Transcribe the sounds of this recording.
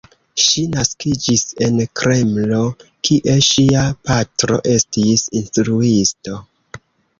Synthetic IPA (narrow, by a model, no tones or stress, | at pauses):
ʃinaskid͡ʒise̞nkɾe̞mlo̞kʰiʔe̞ʃiapatɾo̞̰ʔe̞stisinstɾuisto̞